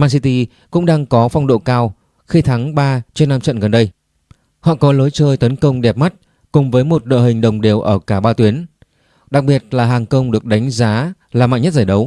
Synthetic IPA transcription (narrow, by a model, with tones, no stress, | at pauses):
maː˧nsi˧t̪i˧ | kʊ̰˧˥ŋ͡mɗaː˧ŋkɔ˨˦fa˧wŋ͡mɗo̰˧˨kaː˧w | xi˧t̪ʰa˨˦ŋɓaː˧t͡ɕɔ˧nːaː˧mt͡ɕə̰˧˨nɣə˨˩nɗə˧j | hɔ̰˧˨kɔ˨˦lo˨˦jt͡ɕəː˧jt̪ə˨˦nkə˧wŋ͡mɗɛ˨˩p̚ma˦˥t̚ | kʊ˨˩ŋ͡mvəː˨˦jmo˨˩t̚ɗo̰˧˨ɦï˨˩ŋ̟ɗə˨˩wŋ͡mɗe˨˩əwʔəː˧˩kaː˧˩ɓaː˧t̪wi˨˦ən | ɗa˨˩k̚ɓi˨˩ət̚laː˨˩ɦaː˨˩ŋkə˧wŋ͡mɗɨ˨˩ək̚ɗa˨˦jŋ̟zaː˨˦ | laː˨˩ma̰ː˧˨jɲː˦ə˥t̚zaː˧˩jɗə˨˦w